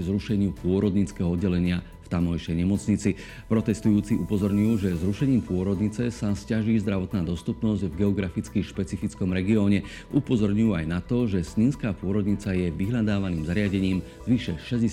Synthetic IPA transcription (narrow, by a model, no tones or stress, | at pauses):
zɾuʃɛɲɪupʊɔɾɔd̪ɲit͡skɛɦɔɔd̪ɟɛlɛɲɪa | ft̪amɔjʃɛjɲɛmɔt͡sɲit͡si | pɾɔt̪ɛst̪ujuːt͡siʔupɔzɔɾɲujuːʒɛzɾuʃɛɲiːmpʊɔɾɔd̪ɲit͡sɛsascaʒiːzd̪ɾaʋɔt̪naːd̪ɔst̪upnɔzɟvɡɛɔɡɾafit͡skiʃpɛt͡sifit͡skɔmɾɛɡiɔːɲɛ | ʔupɔzɔɾɲujuːajnat̪ɔʒɛsɲiːnskaːpʊɔɾɔd̪ɲit͡sajɛʋiɦlad̪aːʋaniːmzaɾɪaɟɛɲiːm | zʋiʃɛʃɛzɟɛ